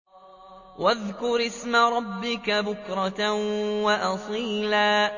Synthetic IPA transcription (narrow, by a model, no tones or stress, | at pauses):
waðkʊɾʔɪsmaɾˤɑbːɪkabʊkɾˤɑ | waʔɑsˤiːlaː